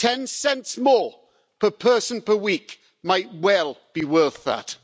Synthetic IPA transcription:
tʰɛ̃nsɛ̃ntsmɔː | pʰəpʰɜˑsə̃npʰəwiˑk | maɪt̚wɛlˠb̥iwɜˑθðə̰t

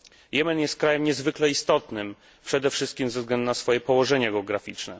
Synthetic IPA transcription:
jɛmɛnjɛst̪̚kɾajɛmɲɛzvɘklɛist̪ɔt̪nɘm | pʂɛd̪ɛfʂɘst̪̚kʲimvzɛvzɡlɛnd̪unasfɔjɛpɔwɔʐɛɲaɡɛɔɡɾafʲit͡ʂnɛ

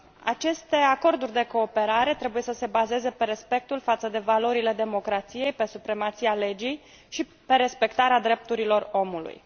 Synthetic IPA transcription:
a̰t͡ʃe̞st̪e̞ako̞rd̪urʲd̪e̞ko̞ːpe̞ɾaɾe̞t̪ɾe̞buje̞səse̞baze̞ze̞pe̞ɾe̞spe̞k̚t̪ulfat̪səd̪e̞valo̞ɾile̞d̪e̞mo̞kɾat̪sije̞jpe̞supɾe̞mat̪siale̞d͡ʒij | ʃi | pe̞ɾe̞spe̞kt̪aɾead̪ɾe̞p̚t̪uɾilo̞ro̞mulṵj

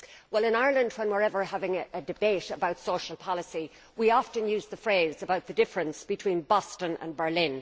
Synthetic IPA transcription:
wɛlˠɪ̃naɪə˞lˠə̃nd̚wə̃nwɪɹɛvə˞havɪ̃ŋɨdɨbeɪɾəbaʊtsoʊʃəl̩ˠpʰɑlˠəsi | wiɑftɨ̃njʉːzðəfɹeɪzəbaʊt̪̚ðɨdɪfɹɨ̃nsb̥ɨtʰw̥ĩːnbɔstə̃nə̰̃nbə˞lɪ̃n

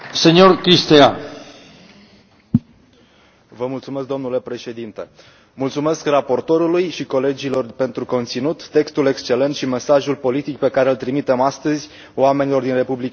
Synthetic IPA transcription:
senʲorkɾist̪ea | vəmult̪sumesk̚d̪o̞mnule̞pɾe̞ʃe̞d̪int̪e | mult̪sume̞skrapo̞rt̪o̞ɾulujʃiko̞le̞d͡ʒilo̞rpe̞nt̪ɾuko̞nt̪sinut̪ːe̞kst̪ule̞kst͡ʃe̞le̞nt̪ʃime̞saʒulpo̞lit̪ikpe̞kaɾe̞ɨlt̪ɾimit̪e̞mast̪əzʲ | oame̞nilo̞rd̪inre̞publika

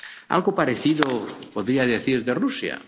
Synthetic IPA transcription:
a̰lɣopaɾeθiðopoðɾiaðeθiɾðerusja̰

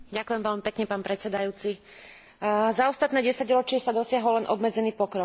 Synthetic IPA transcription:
ɟakujɛmʋɛlmipɛkɲɛpaːnpɾɛt̪t͡sɛd̪ajuːt͡si | zaɔst̪at̪nɛːɟɛsaɟɾɔt͡ʃɪɛsad̪ɔsɪaɦɔllɛnʔɔbmɛd͡zɛniːpɔkɾɔk

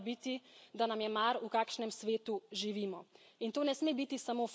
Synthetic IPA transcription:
bit̪id̪anamjɛmaɾukaːkʃnɛmsʋeːt̪uʒiʋiːmɔ | int̪oːnɛsmeːbit̪isamoːf

